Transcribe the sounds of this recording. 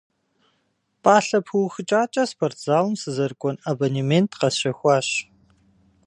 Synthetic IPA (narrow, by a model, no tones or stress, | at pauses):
pʼaːɬɐpʰɨwxɨt͡ʃʼaːt͡ʃʼɐspʰortʰz̥aːwmsɨzɐrkʷʼɔnɐbonimentʰqɐsɕɐxʷɑːɕ